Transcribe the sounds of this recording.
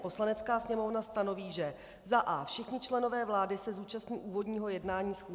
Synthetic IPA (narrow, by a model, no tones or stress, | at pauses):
po̞slanɛt͡skaːsɲɛmo̞vnast̪ano̞viːʒɛ | zaʔaːfʃɛxɲɪt͡ʃlɛno̞vɛːvlaːdɪsɛzuːt͡ʃast̪ɲiːʔuːvo̞dɲiːɦo̞jɛdnaːɲiːsxuː